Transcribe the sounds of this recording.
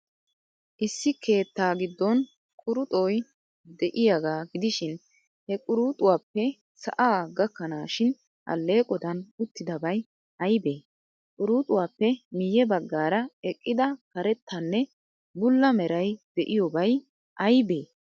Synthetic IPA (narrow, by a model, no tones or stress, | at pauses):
ʔɪsːɪke̞ːt̪ːaːɡɪd̪ːɔn | kʼʊɾʊt̪ʼoj | d̪ɛʔɪjaɡaːɡɪd̪ɪʃɪn | hɛkʼʊɾuːt̪ʼʊwaːpːɛ | sɐ̰ʔaːɡɐkːɐnaːʃɪn | ʔɐ̰lːe̞ːkʼɔd̪ɐnʊt̪ːɪd̪ɐbɐj | ʔɐjbeː | kʼʊɾuːt̪ʼʊwaːpːɛmɪjɛbɐɡːaːɾɐɛkʼːɪd̪ɐkɐɾɛt̪ʰːɐnːɛ | bʊlːɐmɛɾɐjd̪̥ɛʔɪjɔbɐj | ʔɐjbe̞ː